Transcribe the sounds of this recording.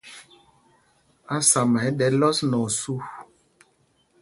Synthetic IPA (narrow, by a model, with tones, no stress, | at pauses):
a˦sa˨ma˨jɗɛ˨lɔ˦snɔ˨su˦